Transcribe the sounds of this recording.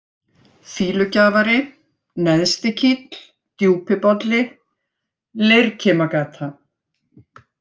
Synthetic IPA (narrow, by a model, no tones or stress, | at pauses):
fiːlʏcaːvaɾɪ | nɛðst̪ɪcʰit̪l̥ | t̪juːpɪpɔt̪lɪ | lejɾcʰɛːmakaːt̪ʰa